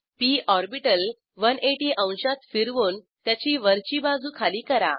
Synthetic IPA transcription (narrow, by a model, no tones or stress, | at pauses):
piʔɔɾbiʈəl | ʋəneʈiʔə̃w̃ɕat̪fiɾʋuːn | t̪jat͡ɕiːʋəɾt͡ɕiːbad͡zuːkʰaliːkəɾa̰